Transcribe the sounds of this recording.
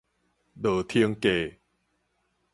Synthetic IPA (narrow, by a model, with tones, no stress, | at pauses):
dɤː˨˩t̪ʰi˧əŋkeː˨˩